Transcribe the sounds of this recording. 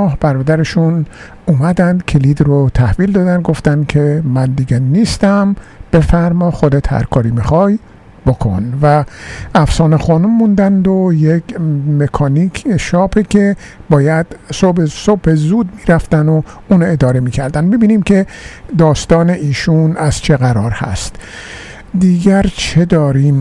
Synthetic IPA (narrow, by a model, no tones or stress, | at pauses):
hb̥æɾɒːd̪æɾeʃun | umæd̪ænd̪kʰeliːd̪ɾot̪ʰæhviːld̪ɒːd̪ænd̪ɡoft̪ænd̪kʰemænd̪iːɡeniːst̪æmb̥e̞fæɾmɒxod̪et̪hæ̰ɾkʰɒːɾiːmixɒːj | b̥okʰo̰nvææfsɒːneχɒːnumːund̪ænd̪ojekmekʰɒːnikʰʃɒːpʰekʰe̞bɒːjæd̪̥sobesobhezud̪̚miːɾæft̪ænouːnoe̞d̪ɒːɾe̞miːcʰæɾd̪ænmebiːniːmcʰe̞d̪ɒːst̪ɒːne̞ʔiːʃunæz̥t͡ʃʰe̞ɣæɾɒːɾhæ̰st̪ | d̪iːɡæɾt͡ʃʰe̞d̪ɒːɾiːm